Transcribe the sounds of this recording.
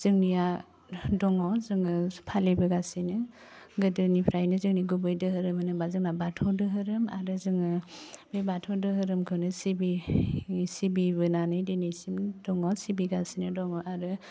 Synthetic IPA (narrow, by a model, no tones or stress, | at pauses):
z̥ɯŋnija | dɔŋɔzɯŋɯpʰalibɯɡasinɯ | ɡɯdɯnipʰɾajnɯzɯŋniɡubɯjdɯɦɯɾɯmɯnɯbazɯŋnabatʰɔdɯɦɯɾɯma̰ɾɯzɯŋɯbebatʰɔdɯɦɯɾɯmkʰɯnɯsibi | sibibɯnanɯjdinisimdɔŋɔsibiɡasinɯdɔŋɔʔaɾɯ